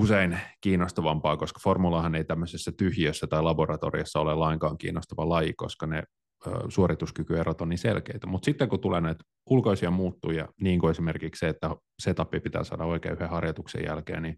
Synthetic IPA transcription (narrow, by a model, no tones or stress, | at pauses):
useinkiːnost̪ɑʋɑmpɑːkoskɑ̥formulɑhɑneit̪æmːøsesːæt̪yhjiøsːæt̪ɑilɑborɑt̪o̰rḭɑsːɑolelːɑiŋkɑːŋkḭːnːost̪ɑʋɑlɑjiko̰skɑne | ø̰suoɾit̪uskykyerot̪onisḛlkeit̪æmut̪sit̪ːeŋkut̪uleːnæit̪ | ulkoisiɑmuːt̪ːuːjɑ̰niːŋkuesimerkiksseet̪ːæ | set̪ɑpːipit̪æ̰ːsɑ̰ːdɑoikḛːyhehɑrjɑt̪uksḛjæ̰lkḛːni